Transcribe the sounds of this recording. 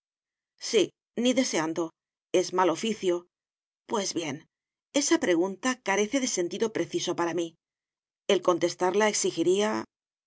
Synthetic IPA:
si | niðe̞se̞and̪o̞ | e̞zmalo̞fiθjo̞ | pwe̞zβje̞n | e̞sapɾe̞ɣ̞unt̪akaɾe̞θe̞ðe̞se̞nt̪iðo̞pɾeθiso̞paɾami | e̞lko̞nt̪e̞st̪aɾlae̞ksixiɾia

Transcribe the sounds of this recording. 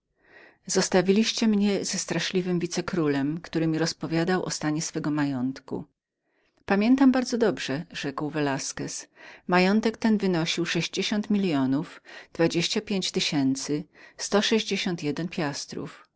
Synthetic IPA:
z̥ɔst̪avʲilʲiɕt͡ɕɛmɲɛzɛst̪ɾaʂlʲivɘmvʲit̪sɛkɾulɛmkt̪uɾɘmʲiɾɔspɔvʲjad̪awʔɔ̰st̪aɲɛsfɛɡɔmajɔnt̪kṵ | pamʲjɛnt̪ambaɾd̪zɔd̪ɔbʐɛʐɛkwvɛlaskɛsmajɔnt̪ɛkt̪ɛnvɘnɔɕiwʂɛʑd͡ʑeɕɔnt̪mʲilʲjɔnufd̪̥vad͡ʑeɕt͡ɕapʲjeɲt͡ɕt̪ɘɕɛnt̪sɘst̪ɔʂɛʑd͡ʑeɕɔnt̪jɛd̪ɛnpʲjast̪ɾṵf

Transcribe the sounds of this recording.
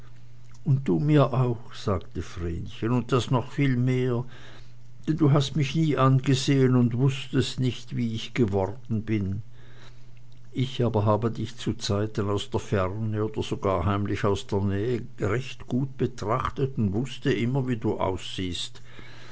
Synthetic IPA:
ʊnt̚d̥uːmiːɐʔaʊxz̥aːktəfʁḛːnçənʊnt̚d̥asnɔχfiːlmeːɐ | d̥ɛnduːɦastmɪçniːʔanɡəzeːənʊndv̥ʊstəstnɪçtviːɪçɡ̥əvɔʁdn̩bɪn | ʔɪçaːbɐɦaːbədɪçt͡sut͡saɪtənaʊsd̥eːɐfɛʁnəoːd̥ɐz̥oɡaːɐɦaɪmlɪçaʊsd̥eːɐnɛːə | ʁɛçtɡ̥uːt̚b̥ətʁ̥aχtətʊntv̥ʊstəʔɪmɐviːduːʔa̰ʊsz̥iːst

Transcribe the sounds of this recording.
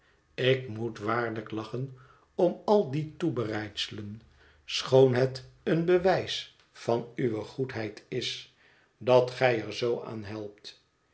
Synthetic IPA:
ɪkmutʋaːɹləklɑχən | ɔmɑlˠditubərɛjtsələn | sχownɦɛtənbəʋɛjs | fɑnyʋəχutɦɛjtʰɪs | dɑtχɛjəɹzowʔa̰ːnɦɛlˠp̚t

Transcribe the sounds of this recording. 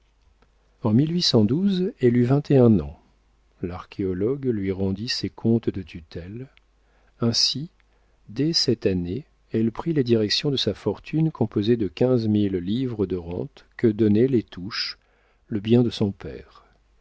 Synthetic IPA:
ɑ̃milɥisɑ̃d̪uzɛlyvɛ̃t̪ʰeɛ̃nɑ̃ | laʁkʲʰeɔlɔɡlɥiʁɑ̃d̪isekʰɔ̃t̪d̪ət̪ʰyt̪ʰɛl | ɛ̃si | d̪ɛsɛt̪ane | ɛlpχiled̪iʁɛksjɔ̃d̪əsafɔʁt̪ʰynkʰɔ̃pozed̪əkʲɛ̃zmilːivʁəd̪əʁɑ̃t̪kəd̪ɔnɛlet̪ʰuʃ | ləbjɛ̃d̪əsɔ̃pɛ̰ːʁ

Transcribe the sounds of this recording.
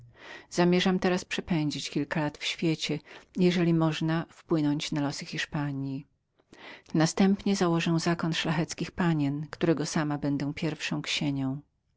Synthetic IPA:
z̥amʲjɛʐamt̪ɛɾaspʂɛpɛɲd͡ʑit͡ɕkʲilkalat̪fɕfʲjet͡ɕɛjɛʐɛlʲimɔʐnafpwɘnɔɲt͡ɕnalɔsɘxʲiʂpaɲji | nast̪ɛmpɲɛzawɔʐɛw̃zakɔnʂlaxɛt̪skʲixpaɲɛnkt̪uɾɛɡɔsamabɛnd̪ɛw̃pʲjɛɾfʂɔ̃w̃kɕeɲɔ̃w̃

